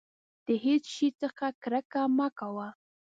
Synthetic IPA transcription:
d̪̥əɦet͡sʃit͡səxakɾakamakawa

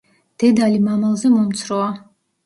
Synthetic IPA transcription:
d̪̥ɛd̪alimamalˠzɛmɔmt̪sʰɾɔa

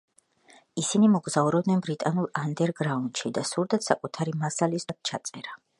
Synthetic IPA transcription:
isinimɔɡzauɾɔbd̪nɛnbɾit̪ʼanulˠand̪ɛɾɡɾaund̪ʃid̪asuɾd̪at̪sakʼut̪ʰaɾimasalisad̪̚t͡ʃʰat̪sʼɛɾa

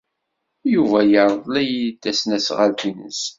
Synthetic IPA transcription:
juvæjəɾˤðˤlæjid̪ːæsnæsʁalt̪inəs

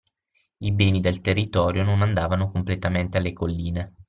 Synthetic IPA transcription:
ibɛːnid̪elt̪erːit̪ɔːɾjononand̪aːvanokomplet̪ament̪ealːekolːiːne

